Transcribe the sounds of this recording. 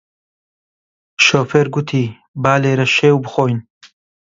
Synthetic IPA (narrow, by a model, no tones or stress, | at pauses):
ʃoːfeːɾɡʊt̪ʰiː | baːleːɾɐʃeːwbɨxoːjn